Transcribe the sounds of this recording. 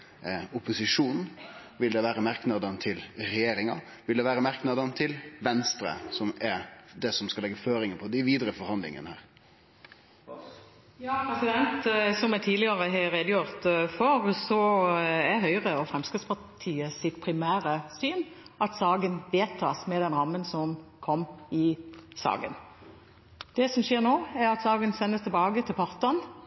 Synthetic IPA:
ʊpʊsɪʂuːnn̩ʋɪld̪ɛʋæːɾəmæɾknɑd̪ənt̪ʰɪlɾɛjeːɾɪŋɑ | ʋɪld̪ɛʋæːɾəmæɾknɑd̪ənt̪ʰɪlʋɛnst̪ɾə̰sɔmɛɾd̪ɛsɔmskɑlɛɡːəføːɾɪŋəpʰɔd̪ɪʋiːd̪ɾəfɔɾhɑnd̪lɪ̰ŋə̰nəhæ̰ːɾ | pʰɾɛsɪd̪ɛnt̪sɔmɛt̪ʰiːlɪɡɑɾəɦeɾeːd̪əjʊɾt̪fɔɾsɔɛɦœʏʁəɔfʁɛmskɪspʰɑt̪ʰiːəsɪt̪pʰɾɪmæːɾəsyːnʔɑt̪sɑːɡənʋeːt̪ʰɑ̰ːsmɛd̪ɛnɾɑmːənsɔmkʰɔmːɪsɑ̰ːɡə̰n | d̪̥ɛsɔmʃeːʁnoːɛɾɑt̪sɑːɡənsɛnːəst̪ʰɛbɑːɡət̪ʰɪlpʰɑʁt̪ɑn

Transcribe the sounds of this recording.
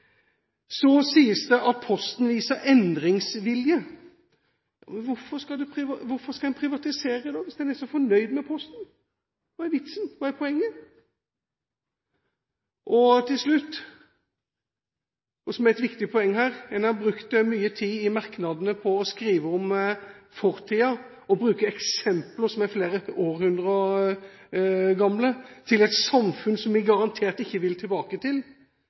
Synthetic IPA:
sɔsiːəsd̪əʔɑt̪̚pʰɔst̪nʋiːsəɾʔɛnd̪ɾɪŋsʋɪljə | jɑ̰ːmɛnʋʊɾfɔɾskɑld̪ʉpʰɾɪʋɑʋʊɾfɔɾskɑɛnpʰɾɪʋɑt̪ɪseːɾəd̪ɑːʋɪsd̪ɛnɛsɔfɔɳœʏd̪mɛpʰɔst̪n̩ | ʋɑːɛɾʋɪt̪snʋɑːɛpʰɔɛŋːə | ʔɔt̪ʰɪlʂlʉt̪ː | ɔsɔmæʁɛt̪ʋɪkt̪ɪpʰɔɛŋːhæːɾɛnɑbʁʉkt̪myːət̪ʰiːɪmɑʁknɑd̪ənəpʰɔːskɾiːʋəɔmfɔʁt̪ʰiːɑ | ɔbɾʉːkəɛksɛmpləsɔmæɾfleːɾəoːɾhʉnd̪ʁɔ | ɡɑmlət̪ʰɪlɛt̪sɑmfʉnsɔmʋɪɡɑʁɑnt̪ʰeːʁt̪ɪçːəʋɪlt̪ʰɪlbɑːkət̪ɪl

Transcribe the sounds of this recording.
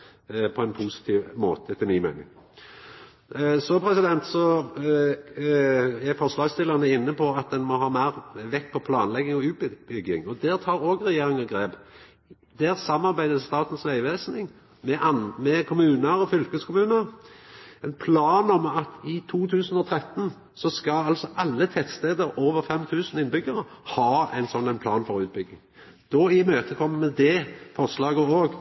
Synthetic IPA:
pʰɔɛnpʰuːsɪ̥t̪ʰiːʋmo̰ːt̪ət̪ʰɪlmɪːmæ̰ɪnɪ̰ŋ | sɔpʰɾɛsɪd̪ɛnt̪sɔ | æfɔʁslɑːɡst̪ɪləʁnəɪnːəpʰɔɑt̪̚d̪ɛnmɔɦɑːmæɪʁʋɛkːpʰɔpʰlɑːnlɛɡːɪŋɔʉːt̪̚bbʏɡɪ̰ŋɔd̪ɛʁt̪ʰɑːɾoːɡʁɛjeːɾɪŋɑɡɾeːp | d̪æʁsɑmːɑɾbæɪd̪əst̪ɑːt̪n̩sʋæɪʋeːsnɪŋ | mɛʔɑnmɛkʰʊmʉːnəɾɔfʏlkəskʰʊmʉːnəɾ | ɛɪnpʰlɑːnɔmɑt̪ɪt̪ʰuːt̪ʰʉːsn̩ɔt̪ʰɾɛt̪ːn̩ | sɔskɑlɑlsɔʔɑlːət̪ʰɛt̪st̪eːd̪əɾoːʋəɾfɛmt̪ʰʉːsn̩ɪnbʏɡəɾəhɑːæ̰ɪnsɔnːæɪnpʰlɑːnfɔʁʉːt̪̚bʏɡːɪŋ | d̪̥ɔɪmøːt̪ʰəkʰɔmːəmɛd̪ɛfɔʁʂlɑːɡəoːɡ

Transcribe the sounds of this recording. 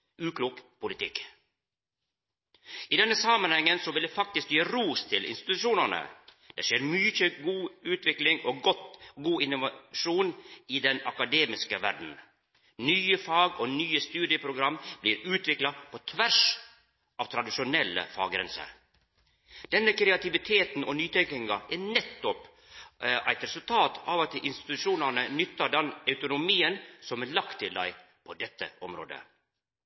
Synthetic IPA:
ʔʉːkʰluːkpʰʊlɪt̪ʰɪkː | ʔiːd̪ɛnːəsɑmɑnhɛŋːənsɔʋɪld̪ɛfɑk̚t̪ɪskjeːɾuːst̪ʰɪlɪ̰nst̪ɪt̪ʉʃuːnəɳə̰ | d̪̥ɛ̰ʂeːɾmʏçəɡuːʉːt̪ʋɪklɪŋoːɡɔt̪ɡuːɪnʊʋɑʃuːniːd̪ɛnɑkɑd̪eːmɪskəʋæɖn̩ | nyːəfɑːɡoːnyːəst̪ʉːd̪ɪəpʰɾʊɡɾɑmːb̥liːɾʉːt̪ʋɪklɑpʰɔt̪ʰʋæʂ | ʔɑːʋt̪ʰɾɑd̪ɪʂʊnɛlːə̰fɑ̰ːɡɾɛ̰nsə̰ɾ | d̪̥ɛnːəkʰɾɛɑt̪ɪʋɪt̪ʰeːt̪n̩ɔnyːt̪ʰɛŋkɪŋɑʔænɛt̪ːɔp | ʔæɪt̪ɾɛsʉlt̪ʰɑːt̪ɑ̰ʋɑt̪ʔɪnst̪ɪ̥t̪ʉʂuːnæɳənʏt̪ːɑɖɛnɑʉt̪ʊnʊmiːənsɔmɛlɑkt̪ʰːɪld̪æ̰ɪ | pʰɔd̪ɛt̪ːə̰ɔmɾo̰ːd̪ə̰

